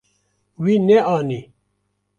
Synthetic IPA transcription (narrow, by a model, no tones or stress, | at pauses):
wineaːni